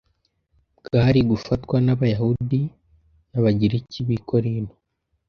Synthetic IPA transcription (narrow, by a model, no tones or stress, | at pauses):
bɡaɾiɡufatwanaβajahudi | naβaɟiɾiciβikʰo̞ɾino